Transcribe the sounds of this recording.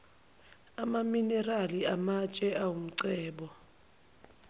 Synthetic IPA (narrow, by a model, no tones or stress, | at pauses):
amaminɛraliamat͡ʃʼɛʔawum̩ǀɛːɓɔ